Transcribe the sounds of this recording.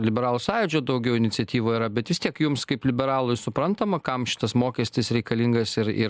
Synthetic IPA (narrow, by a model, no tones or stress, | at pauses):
lʲɪbʲɛɾɑːlˠuːsɑːjʊd͡ʒʲoːd̪ɐʊɡʲɛʊɪnʲɪtsʲɛt̪ʲiːʋoːiːɾɐbʲɛt̪ʋʲɪst̪ʲiɛkjʊmskɐɪplʲɪbʲɛɾɑːlˠʊɪsʊpɾɐnt̪ɐmɐkɐmʃʲɪ̥t̪ɐsmoːkʲɛsʲt̪ʲɪsɾʲɛɪkɐlʲiŋɡɐsɪɾɪ̰